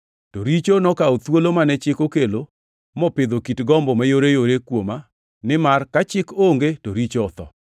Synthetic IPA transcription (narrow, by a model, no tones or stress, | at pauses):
toɾit͡ʃonɔkaot̪wolomanɛt͡ʃɪkokelo | mɔpɪd̪okitɡɔmbɔmajoɾejoɾekwoma | nɪmarkat͡ʃɪkoŋɡetoɾit͡ʃoɔt̪ɔ̰